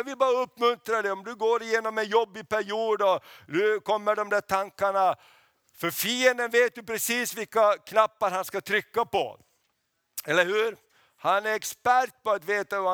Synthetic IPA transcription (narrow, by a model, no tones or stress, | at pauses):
vɪbɑːɾaɵpːmɵnt̪ɾaɖɛɔmd̪ɵɡoːɾɪjeːnɔmɛnjɔbːɪpæɾɪuːd̪ɔd̪ʉkʰɔmːəɖɔmd̪æːʈʰaŋkaɳa | fœɾfiːənd̪ənveːt̪̚d̪ɵpɾɛsiːsvɪlkːakʰnapːaɾhanskat̪ʰɾʏkːapɔ̰ | ɛlːəɾhʉːɾ | hanæɾɛkspæɾʈ̚pɔat̪veːt̪aa